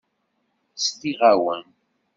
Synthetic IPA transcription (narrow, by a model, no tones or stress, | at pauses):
st̪iʁawən